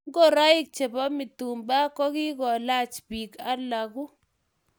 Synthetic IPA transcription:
ŋɡo˦˨ɾa˦ɪ˦k̚t͡ʃe˨bɔ˦mɪ˨tu˨mba˦kɔ˦ki˦kɔ˨la˦t͡ʃbi˨ka˦lːa˨ku˦

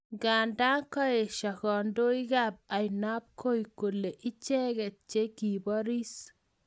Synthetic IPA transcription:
ɡa˨nda˦ŋkɔ˦e˨ʃa˨kɔ˨ndo˦i˦ɡa˦b̚a˨ɪ˨na˦p̚kʰo˦i˨ko˨le˨ʔɪ˦t͡ʃɛ˦ɡɛ˨t̚t͡ʃe˦ki˨bɔ˦ɾi˦s

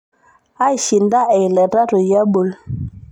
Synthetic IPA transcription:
a˦i˨ʃi˨nda˦ɛ˨lɛ˨ɾa˦ɾo˨ja˦bo˨l

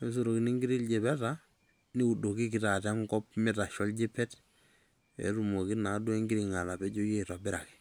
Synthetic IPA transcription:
me˦s̬u˦ɾo˨ki˨ni˦ŋɡi˦ɾi˦lɟe˨bɛ˦ta | ni˦u˨do˨ki˦ki˨ta˨ta˦ŋkɔ˦pmi˦ta˨ʃɔ˦lɟi˦pːɛ˦t | ɛ̰˨ɾu˨mo˨ki˦na˨˦du˦e˦ŋɡi˦ɾiŋa˨la˨pɛ˦ɟo˦je˦˨ta˨bɪ˦ɾa˨ki̥

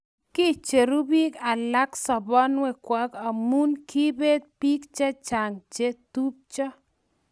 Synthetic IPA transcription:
ki˦t͡ʃe˨ɾu˦bi˦ka˨la˦ksɔ˨bɔ˦nwɛ˦kwa˨˦ka˨mu˦nkʰi˦be˦t̪̚pi˦kt͡ʃa˦t͡ʃa˨ŋt͡ʃe˦t̪u˦p̚t͡ʃɔ˦

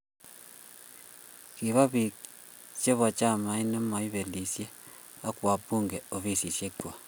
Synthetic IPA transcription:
ki˨βa˦βi˨k | t͡ʃe˦βɔ˨t͡ʃa˦˨ma˨˦i˦nɔ˦ma˨i˦βe˨li˨sje˦ | a˦kwa˨pu˦˨ŋɡe˨o˨βi˦˨si˨sje˦kwa˨

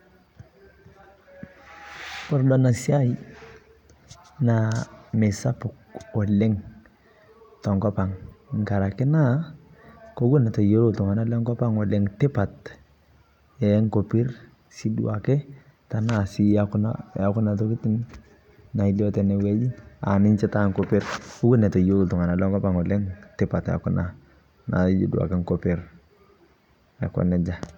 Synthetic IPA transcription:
pɔ˦ɾdɔ˨na˨si˦a˦i | name˨sa˦pʊ˨kɔ˨lɛ˦ŋ | tɔ˨ŋkɔ˦pa˨ŋŋ˨ka˨ɾa˨kɪ˦na˦ | ko˦ɡu˦na˨tɔ˨je˦ɾo˨tɔ˨ŋa˨na˦lɛ˦ŋkɔ˦pa˦ŋɔ˨lɛ˦ŋte˦pa˨t | ɛ˨˦ŋko˨pɪ˦ɾ | si˦duwa˨kɛ˦ | ta˨na˨si˦akʊ˦na̰ja˦kʊ˦na˨tɔ˦kɪ˦tɪ˦n | na˨i˦lɔ˦tɛ˨nɛ˨wɛ˦d͡ʒi˦a̰˨nɪ˦ɲt͡ʃɛ˦ta˦ŋko˦pɪ˦ɾko˦ɡʊ˦nɛ˨tɔ˨jo˦ɾu˨ltʊ˨ŋa˨na˨lɔ˦ŋkɔ˦pa˨ŋɔ˨lɛ˦ŋtɪ˦pa˨ta̰˨kʊ˦na˨ | na̰˨˦d͡ʒḭ˨dwa̰˨kɛ˦ŋkɔpɪ˨ɾ | a̰˨kɔ̰˨nɛ˨d͡ʒa˦

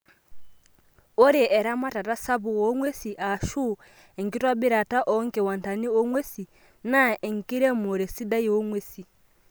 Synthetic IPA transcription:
ɔ˦ɾɛ˨ʔɛ˨ɾa˦ma˦ta˨ta˦sa˦βu˨wɔ˨˦ŋwe˦si˨ʔa˨ʃu˦ | ɛ˨ŋki˦twa˦bi˦ɾa˨ta˦ʔɔ˨˦ŋkɛ˨wa˨n˨ta˨ni˦ɔ˦ŋwe˦si˨ | na˦ɛ˨ŋ˨ki˦ɾɛ˦mo˨ɾɛ˨si˦da˦ji˦wɔ˦ŋwe˦si˨

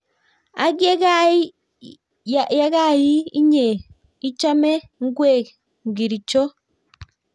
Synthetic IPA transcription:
a̰˨˦ɡe˦ɡa˦˨ | ja˦ɣa˦˨ji˦i˦ɲe˨ | i˦t͡ʃa˦mɛ˦ | ŋ˦ɡwe˦˨k | ŋ˨ɡi˨ɾi˨t͡ʃo˦

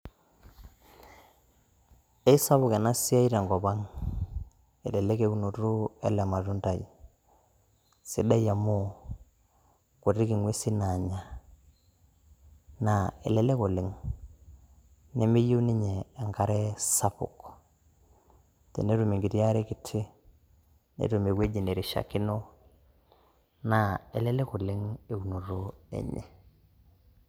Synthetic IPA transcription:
e˦sa˦βʊ˨ke˨na˦si˦a˦i˦ɾe˨ŋɡɔ˨ba˦ŋ | ḛ˨lɛ˨le˦ke˨˦u˦no˨ɾu˦ɛ˦lɛ˨ma˨ɾu˦nta˨ji˨ | sḭ˨da˦ja˨mo˦ | ko˨ɾi˦ki˨ŋwe˦si˦na˨ɲa˦˨ | na˨ḛ˨le˨le˦ko˨lɪ˨ŋ | ne˦me˦jo˦ni˦ɲeː˨ŋka˦ɾe˦sa˦pʊ̰˨k | tḛ˨ne˦ɾu˨me˨ŋɡi˨ɾi˦a˦ɾe˦ki˨tʰɪ˦ | nḛ˨ɾu˨me˨we˦d͡ʒi˨ne˨ɾi˨ʃa̰˨kɪ˦no˦ | na˨e˨lɛ˦le˦ku˨lɪ˦ŋe˦˨u˨no˨ɾo˦ḛ˨ɲḛ˨

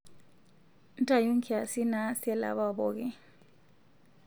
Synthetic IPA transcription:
n˦tʼa˨jo˦ŋkʰʼi˦a˨si˦na˦sɛ˦la̰˨βa˦bɔ˨k̬ɛ˦

